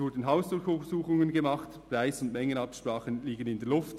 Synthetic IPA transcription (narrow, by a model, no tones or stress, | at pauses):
ʊɹdən̩ɦaʊsd̥ʊɹçʊsuːχʊŋənɡəmɑχtpraɪsʊndmɛŋənɑpʃpʁɑːχənliːɡənɪndeːlʊft